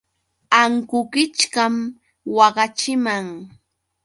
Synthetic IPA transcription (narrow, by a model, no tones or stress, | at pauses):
aŋkʊkɪt͡ʃkam | wɑɢɑt͡ʃɪmaŋ